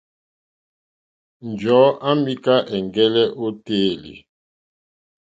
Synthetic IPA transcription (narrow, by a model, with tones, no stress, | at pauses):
n˨d͡ʒɔ˨˦ʔa˦mi˦ka˦ʔɛ˨ŋɡɛ˦lɛ˦ʔo˦teː˦˨lḭ˨